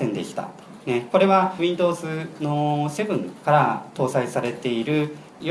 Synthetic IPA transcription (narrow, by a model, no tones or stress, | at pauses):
ẽ̞nd̪e̞kʲi̥t̪a̰ | neko̞ɾe̞βaɸɯ̟ĩnd̪o̞ːzɨno̞se̞bɯ̟̃ŋkaɾat̪o̞ːsaisaɾe̞t̪e̞iɾɯ̟ | j